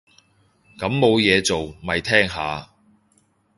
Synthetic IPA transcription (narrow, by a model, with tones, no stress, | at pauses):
kɐ˨˥mːo˨˧wjɛː˨˧t͡so˨wmɐ˨jt̪ʰɛː˥ŋɦaː˨˧